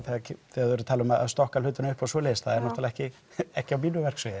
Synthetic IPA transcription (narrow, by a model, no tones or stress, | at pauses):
θɛaθɛaðvɛɾʏt̪ʰalʏmaða̰ðst̪ɔhkalʏːt̪ɪnʏhpawsɔːlejsθaðɛɾnɔht̪alaɛhcɪ | ɛhcɪawmiːnʏvɛr̥ksvœjɪ